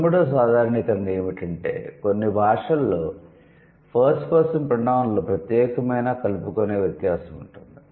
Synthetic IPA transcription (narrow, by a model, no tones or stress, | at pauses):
mːuɽoːs̬aːd̪ʱaːɾɐɳik̪ɐŋɡeːmiʈɐɳʈe̞̰ːkonːibʱaːʂɐlːoː | pʰɐɾsʈkɔːsɐmpɾɐnaːʋɐnloːpɾɐt̪jɛːkɐmɐjnaːkɐlupukone̞ːʋjɐt̪jaːsɐmuɳʈund̪i